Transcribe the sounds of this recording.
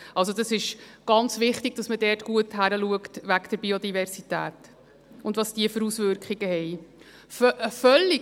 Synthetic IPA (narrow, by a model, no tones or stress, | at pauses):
ʔɑls̬od̥ɑsɪʃɡ̥ɑnt͡sʋɪχtɪɡ̥̚d̥ɑsmədɛːtɡ̥uəthæɾəluəktʋæɡd̥əɾbiodivɛɾsitæ̰ːt | ʊndʋɑsd̥iəfəɾusvʏɾkχiɡəhɛɪ | ffœlːi